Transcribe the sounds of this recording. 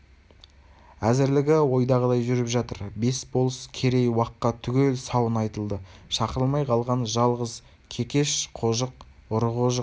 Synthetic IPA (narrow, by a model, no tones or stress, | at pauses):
æzɪɾlɪɡʲɪwo̞jd̪ɑʁəd̪ɑjʒʏɾɪpʒɑt̪əɾbe̞sbo̞lˠəskʲʰe̞ɾe̞jwɑqːɑt̪ʰʏɡʲe̞lsɑwənɑjt̪əlˠd̪əʃɑqəɾəlˠmɑjqʰɑlˠʁɑnʒɑlˠʁəz | kʲʰe̞kʲe̞ʃqʰoʒəq̚ʊɾʁoʒə